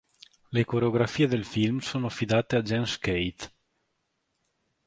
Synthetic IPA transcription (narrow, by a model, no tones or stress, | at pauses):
lekoɾeoɡɾafiːed̪elfilmsoːnoafid̪aːt̪ead͡ʒɛnskejt̪